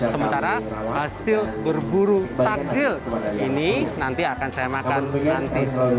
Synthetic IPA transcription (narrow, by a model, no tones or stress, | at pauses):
səmənt̪aɾahasɪlbərbuɾut̪ad͡ʒɪlininant̪iakansajamakannant̪i